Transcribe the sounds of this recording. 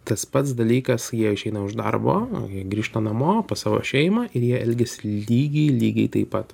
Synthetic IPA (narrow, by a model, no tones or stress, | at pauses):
t̪ɐspɐt̪sd̪ɐlʲiːkɐsjiɛɪʃʲɛɪnɐʊʒd̪ɐ̰rbo̰ːjiɛɡɾʲiːʃt̪ɐnɐmoːpɐsɑːʋo̰ʃʲɛɪmɑːʔɪɾjiɛɛlʲɡʲɛsʲɪlʲiːɡʲɛɪlʲiːɡʲɛɪt̪ɐɪpɐt̪